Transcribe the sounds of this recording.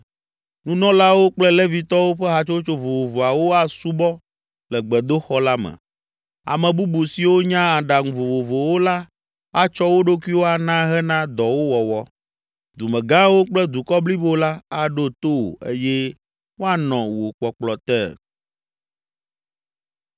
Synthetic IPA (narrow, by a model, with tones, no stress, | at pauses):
nũ˦nɔ̃˦la˦wo˦k͡plɛ˦lɛ˦vi˨t̪ɔ˦wo˦ɸɛ˦ɦa˨t͡ʃo˦t͡ʃo˦vo˨vo˨vo˨a˨wo˦a˨su˦bɔ˦ | lɛ˨ɡ͡bɛ˨d̪o˦xɔ˦la˦mɛ̰̃˨ | a̰˨mɛ̃˨bu˦bu˨si˨wo˦ɲã˦a˨ɖa˨ŋũ˨vo˨vo˨vo˨wo˦la˦ | a˦t͡ʃɔ˦wo˦ɖo˦ki˦wo˦a˨nã˦ɦɛ˦nã˦d̪ɔ˨wo˦wɔ˨wɔ˦ | d̪u˨mɛ̃˨ɡã˦wo˦k͡plɛ˦d̪u˨kɔ˦bli˦bo˦la˦a˦ɖo˦t̪o˦o̰˨ḛ˦jɛ˦ | wo˦a˨nɔ̃˨wo˨k͡pɔ˨k͡plɔ˨t̪ɛ˦˨